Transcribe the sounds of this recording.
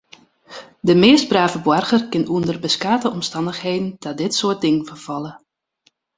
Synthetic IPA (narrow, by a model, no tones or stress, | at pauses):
dəmɪːst̚braːvəbwɔrɣərkɪnuəndərbəskaːtəɔmstɑndəxheːdn̩dɔdɪtsoət̚dɪŋnfərv̥ɑlˠə